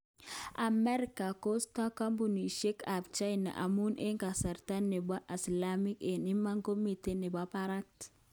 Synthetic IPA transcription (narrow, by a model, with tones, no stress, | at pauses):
ʔa˨mɛ˦ɾika˨ko˦sta˦ka˦mbu˨ni˨ʃe˦ka˨bt͡ʃa˦jna̰˨ʔa̰˨mu˦ne˦ŋka˨sa˨ɾta˦nːe˨ba˦ʔi˨sla˦mi˦ke˨ni˦mːa˦ŋɡo˦mi˦t̪e˦ne˨ba˦paɾa˦k̚t